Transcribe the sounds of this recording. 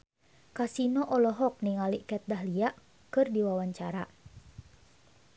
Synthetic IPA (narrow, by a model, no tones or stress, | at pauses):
kasinɔʔɔlɔɦɔk̚niŋaliʔkɛt̪̚daɦliaʔ | kɨrdiwawaɲt͡ʃaɾa